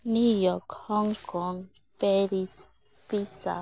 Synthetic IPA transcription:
nujɔkhɔŋkʰɔŋ | pɛɾis | pisa̰

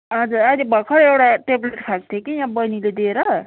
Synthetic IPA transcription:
ʌd͡zuɾad̪ibʱʌkʰʌɽewɽaʈebleʈkʰak̚t̪ʰekijãbʌjniled̪eɾʌ

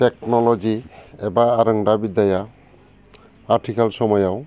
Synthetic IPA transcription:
tɛknɔlɔd͡ʒiɛbaaɾəŋdabid̪aja | aʈʰikalsɔmɔjaw

